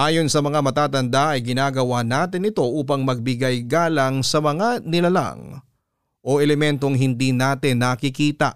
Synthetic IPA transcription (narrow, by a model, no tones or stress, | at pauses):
ʔaːjo̞nsɐmɐŋamɐt̪aːt̪ɐnd̪aʔɐjɡɪnaːɡɐwanaːt̪ɪnɪt̪o̞ʔuːpɐŋmɐɡ̚bɪɡajɡaːlɐŋsɐmɐŋanɪlɐla̰ŋ | ʔo̞ʔɛlɛmɛnt̪o̞ŋɦɪnd̪iːnaːt̪ɪnːɐkɪkiːt̪ɐ̰ʔ